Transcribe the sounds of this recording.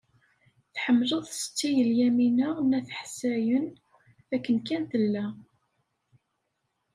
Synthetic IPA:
θħəmːləðˤsə̥t͡sːijəljæminənæθħsæjən | ækːənkænθəlːæ

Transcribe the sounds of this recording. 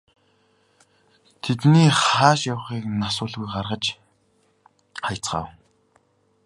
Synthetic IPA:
t̪ʰet̪niːχaːʃjawχiːknasʊːɮɣujɢarʁə̆t͡ɕ | ajʰt͡sɢa̰ːw

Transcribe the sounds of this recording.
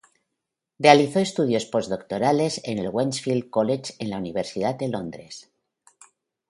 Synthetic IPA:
realiθoest̪uð̞jo̞spo̞zðo̞k̚t̪o̞ɾale̞senelɣwensfild̪̚kolet͡ʃe̞nlauniβe̞ɾsið̞at̪̚d̪e̞lo̞nd̪ɾe̞s

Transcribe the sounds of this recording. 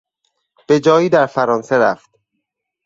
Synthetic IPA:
b̥e̞d͡ʒɒːjiːd̪æɾfæɾɒːnseɾæft̪̚

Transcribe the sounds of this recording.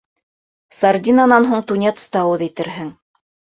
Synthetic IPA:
sard̪ʲinanɑnɦuɴt̪unʲet̪st̪ɑwɤðit̪ɘ̆ɾɦɘŋ

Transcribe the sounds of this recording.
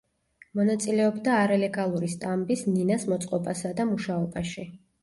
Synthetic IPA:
mɔnat̪sʼilɛɔbd̪aːɾalɛɡalˠuɾist̪ʼambisninasmɔt̪sʼqʼɔpʼasad̪amuʃaɔbaʃi

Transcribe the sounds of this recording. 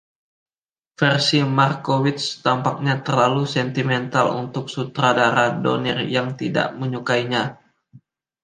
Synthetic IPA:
fɛrsimarkowɪt̪st̪ampak̚ɲat̪ərlalusɛnt̪imɛnt̪alṵnt̪ʊk̚sut̪ɾadaɾado̰nḭrjaŋt̪ida̰ʔməɲukaiɲa

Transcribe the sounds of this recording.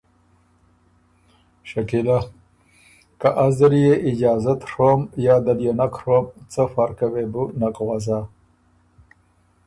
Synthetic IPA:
ʃakila | kaʔazəɾijeʔɪd͡ʒɑːzat̪ʂomjɑːd̪aljonakʂomt͡səfaɾkawebunakɣwaza

